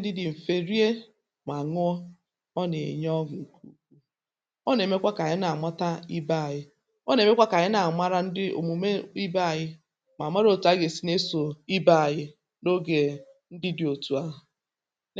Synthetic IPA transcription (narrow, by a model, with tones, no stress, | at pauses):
dɪ˦dɪ˨m̩˨fe˨ɾi˦e˦ | ma˨ŋʊ˦ɔ˦ | ɔ˦ne˨ḛ˨ɲ˦ɔ˦ɡʊ˨ŋ̩˨ku˦k̚u˦ | ɔ˦n˨e˨me˦kʷa˦ka˨ɲɪ˦na˨mʷa˦ta˦i˦ba˦˨ɣɪ˦ | ɔ˦n˨e˨me˦kʷa˦ka˨ɲɪ˦na˨ma˦ɾa˦n̩˦dɪ˦o̰˨mu˨me˦i˦ba˦˨ɣɪ˦ | ma˨mʷ˦a˦ɾo˨tu˨˦a˦ɡe˨si˦ne˦so˨i˦ba˦˨ɣɪ˦ | no˦ɡe˨ | n̩˦dɪ˦dɪ˨o˨tu˨a˦˨